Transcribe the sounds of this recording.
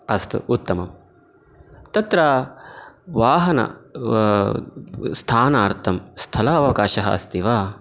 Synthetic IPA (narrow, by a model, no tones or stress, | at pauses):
ɐst̪ṵut̪ːɐmɐm | t̪ɐt̪ɾaː | ʋaːɦɐnɐ̰ | st̪ʰaːnaːɾt̪ʰɐmst̪ʰɐlɐɐʋɐkaːʃɐɦɐ̰ɐ̰st̪iʋaː